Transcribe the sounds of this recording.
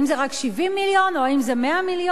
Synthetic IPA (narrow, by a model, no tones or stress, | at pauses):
imzeʁakʃivimːiljo̞noaimze̞meamiljo